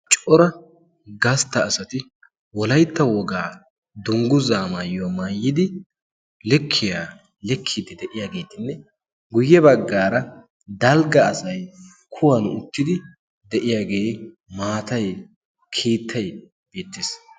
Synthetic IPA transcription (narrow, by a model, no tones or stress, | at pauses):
t͡ʃʼɔɾɐ | ɡɐst̪ːɐːsɐt̪ɪ | wɔlɐjt̪ːɐwɔɡaː | d̪ʊŋɡʊzaːmaːjomaːjːɪd̪ɪ | lɛkʰːɪjaː | lɛkʰːɪd̪ɪd̪ɛʔɪjaːɡe̞ːt̪ɪnːɛ | ɡʊjːɛbɐɡːaːɾɐ | d̪ɐlɡɐːsɐj | kʰʊwɐnʊʊt̪ːɪd̪ɪ | d̪ɛʔɪjaːɡe̞ː | maːt̪ɐj | kʰiːt̪ʰːɐj | b̥eːt̪ːɪːs